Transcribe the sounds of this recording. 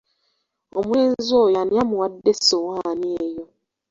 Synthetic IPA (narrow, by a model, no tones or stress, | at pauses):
omweːnzojanjamuwadːesowaːnieːjo